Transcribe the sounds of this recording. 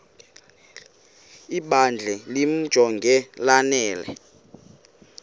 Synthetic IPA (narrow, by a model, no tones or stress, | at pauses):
iɓand͡ɮʱɛlim̩d̥ʒ̥ʱɔŋɡʱɛlanɛːlɛ̰